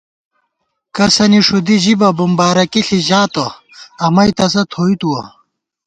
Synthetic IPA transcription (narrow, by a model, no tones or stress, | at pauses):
kɐsɐniʂud̪iʑibɐbumbaːɾɐkiɬiʑaːt̪ɐ | ɐmɐjt̪ɐs̬ɐt̪ʰoːit̪uwɐ̰